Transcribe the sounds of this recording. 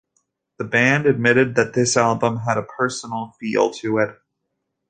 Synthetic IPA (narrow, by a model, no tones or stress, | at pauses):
ðəbæ̃ndɨd̚mɪɾɨd̪̚ðɨt̪̚ðɪsælˠbə̃məɾəpʰɜ˞sn̩l̩ˠfḭlˠtʰɨɪt̚